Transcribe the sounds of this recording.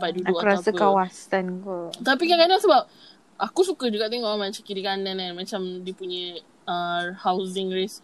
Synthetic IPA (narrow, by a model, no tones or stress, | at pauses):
paʔ̚dudauuɾaasəkawasankɔt̪apikakanasəbap̚ | ʔakusukəd͡ʒuɡaʔt̪̬ɛŋɔmãt͡ʃakiɾikanãnãnmat͡ʃamdipuɲə̃ | əhawzɪŋɾes